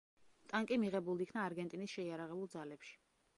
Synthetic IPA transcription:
t̪ʼaŋkʼimiʁɛbulˠiikʰnaːɾɡɛnt̪ʼinisʃɛiaɾaʁɛbulˠd̪zalɛpʃi̥

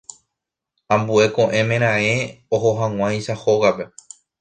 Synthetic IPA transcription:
ãmbue̞kõʔẽ̞mẽ̞ɾ̃ãeoɦoɦãŋ̃ʷãj̃ʃahoɣape̞

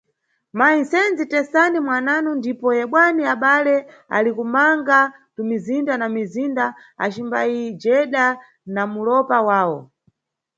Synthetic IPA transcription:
mainsɛnd͡zitɛsanimwananundipɔjɛɓwaniaɓalɛ | a̰likumaŋɡatumizindanamizinda | a̰t͡ʃimbajid͡ʒɛɗa | namulɔpawaːwɔ̰

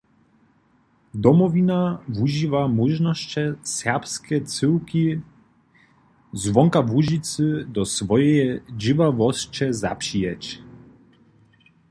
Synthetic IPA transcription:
d̪ɔmɔvʲinavuʑivamuʒnɔɕt͡ɕɛsʲɛʁpskʲɛt̪sɘwkʲi | zvɔŋkavuʑit̪sɨd̪ɔsvɔjɛjd͡ʑivavɔst͡ʃɛza̰pʂijɛt͡ɕ

